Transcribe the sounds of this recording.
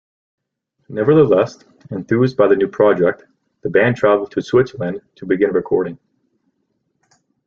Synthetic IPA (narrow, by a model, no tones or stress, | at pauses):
nɛvə˞ðəlɛst | ɨ̃nθʉzbaɪðɨnʉpʰɹ̥ɑd͡ʒɛk̚t | ðəbæ̃ntʰɹ̥ævl̩ˠd̚tʰɨswɪtsə˞l̩ɨ̃ntʰɨbɨɡɪ̃nɹɨkʰɔɹɾɪ̃ŋ